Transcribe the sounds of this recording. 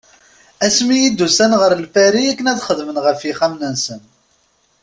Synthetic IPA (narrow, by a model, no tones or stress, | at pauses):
æsmijid̪ːusænʁəɾlfæɾiækːənæðχəðmənʁəfiχæmnənsən